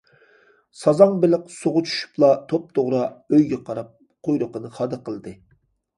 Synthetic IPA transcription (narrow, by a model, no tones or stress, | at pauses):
sɑzɑŋbɪlɪqsoʁʊt͡ʃʰy̥ʃy̥plˠɑt̪ʰop̚t̪ʰoʁɾɑøjɡʲɛqʰɑɾɑp̚ | qʰojɾʊqənɨχɑːd̪ɨqʰəlˠd̪ɨ